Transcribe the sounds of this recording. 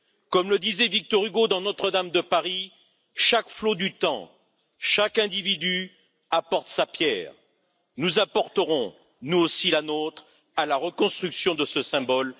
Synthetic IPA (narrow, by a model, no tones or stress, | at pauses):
kɔmləd̪izɛvik̚t̪ɔʁyɡod̪ɑ̃nɔt̪χəd̪amd̪əpaʁi | ʃakflod̪yt̪ɑ̃ | ʃakɛ̃d̪ivid̪y | apɔʁt̪sapjɛ̰ːʁ | nuzapɔʁt̪əʁɔ̃ | nuosilanot̪χ | alaʁəkɔ̃st̪χyksjɔ̃d̪əsəsɛ̃bɔl